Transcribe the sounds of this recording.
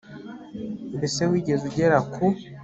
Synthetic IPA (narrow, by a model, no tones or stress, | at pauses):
nbese̞wiːɟe̞zuɟeɾakʰu